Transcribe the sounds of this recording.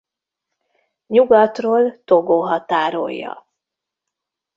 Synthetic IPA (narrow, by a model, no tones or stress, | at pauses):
ɲuɡɒt̪roːlt̪oɡoɦɒt̪aːɾo̰jːɒ̰